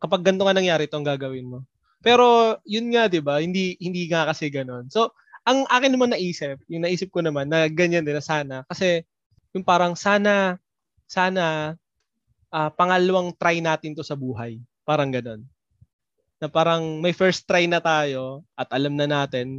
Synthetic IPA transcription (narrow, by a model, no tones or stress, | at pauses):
kɐpɐɡ̚ːɐnt̪oŋɐnɐŋjaːɾɛʔɪt̪oʔɐŋɡaːɡɐwɪnmo̞ | pɛːɾo̞jʊnŋad̪ɪbahɪnd̪ihɪnd̪iːŋakɐsɛɡɐno̞nso̞ | ʔɐŋʔaːkɪnnɐmanːɐʔiːsɪp̚jʊŋnɐʔiːsɪp̚konɐmanːɐɡɐɲːand̪ɪnɐsaːnɐkɐsɛ | jʊŋpaːɾɐŋsaːnɐ | saːnɐ | ʔɐːpɐŋalɐwaŋt̪ɾajnaːt̪ɪnt̪o̞sɐbuːɦɐj | paːɾɐŋɡɐno̞n | ɐpaːɾɐŋmɐjfɛɹst̪ːɾajnɐt̪aːjo̞ʔɐt̪̚ʔɐlamnɐnaːt̪ɪn